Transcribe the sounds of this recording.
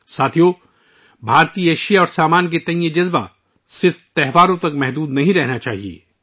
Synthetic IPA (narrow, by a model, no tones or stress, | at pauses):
saːt̪ʰijo | bʱaːɾt̪ieːʃijaɔːɾsaːmaːnk̬et̪ɐ̃ĩjed͡ʒɐzba̰ | sɪɾft̪ɛɦʋaːɾõt̪ɐkmɛɦd̪uːd̪nɐɦĩɾɛɦnat͡ʃaːɦiḛː